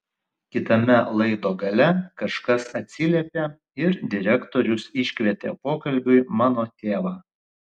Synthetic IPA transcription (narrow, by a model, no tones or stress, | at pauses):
kʲɪt̪ɐmʲɛlˠɐɪd̪oːɡɐlʲɛkɐʃkɐsɐt̪ʲsʲɪlʲɛpʲeː | ɪɾd̪ʲɪɾʲɛkt̪oːɾʲʊsɪʃʲkʲʋʲɛt̪ʲḛpoːkɐlʲbʲʊɪmɑːnoːt̪ʲeːʋɑː